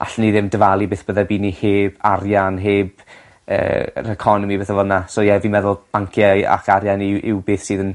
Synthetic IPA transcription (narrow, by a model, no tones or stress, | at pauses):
ʔa̰ɬniðɪmdəvalˠibeːθbəðabiːniheːbarjanɦeːb | ə̰ːrəkʰɔnɔmibeːθəvɔdnasoːjɛvimɛðʊlˠb̥aŋkʰjaja̰kʰaɾjanɪʔɪwbeːθsiːðən